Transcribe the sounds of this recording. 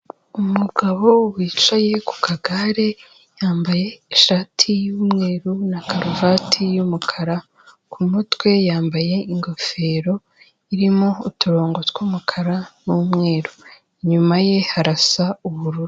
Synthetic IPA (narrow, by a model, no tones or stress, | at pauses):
umuɡaβo̞wiːt͡ʃaje̞ku̥kaɡaɾe | jaːmbaje̞iʃaːtʰijuːmŋe̞ːɾunakaɾuvaːtʰijumukʰaɾa | kʰumutwe̞jaːmbaje̞iŋɡo̞fe̞ːɾo̞ | iɾimoutuɾo̞ːŋɡo̞tkwuːmukʰaɾanuːmŋe̞ːɾu | iɲumaje̞haɾasauβuɾuɾu